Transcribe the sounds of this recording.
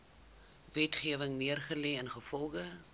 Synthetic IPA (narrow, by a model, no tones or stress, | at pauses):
vɛtχiəvəŋniərχəlɛːənχəfɔlˠχə